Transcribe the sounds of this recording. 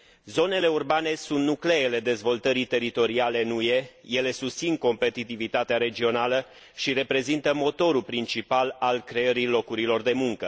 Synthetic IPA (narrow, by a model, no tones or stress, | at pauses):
zo̞ne̞le̞urbane̞sunt̪nukleːle̞d̪e̞zvo̞lt̪əɾit̪e̞ɾit̪o̞ɾiale̞nuje̞je̞le̞sust̪sinko̞mpe̞t̪it̪ivit̪at̪eaɾe̞d͡ʒio̞nalə | ʃiɾe̞pɾe̞zint̪əmo̞t̪o̞ɾulpɾint͡ʃipalalkɾe̞əɾilo̞kuɾilo̞rd̪e̞muŋkə